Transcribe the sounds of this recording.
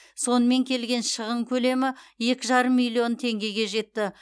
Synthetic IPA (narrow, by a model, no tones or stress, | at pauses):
so̞nəme̞ŋkʲʰe̞lɡʲe̞nʃəʁəɴkʲʰɵle̞mɪje̞kʲɪʒɑɾəmːijlʲio̞nt̪ʰe̞ŋɡʲe̞ɡʲe̞ʒe̞t̪ːɪ